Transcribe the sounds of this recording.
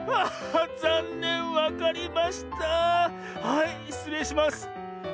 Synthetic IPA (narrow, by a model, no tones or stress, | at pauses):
azenːẽ̞ɰ̃βakaɾʲimaɕi̥t̪a | hai | sɨme̞ɕimasɨ̥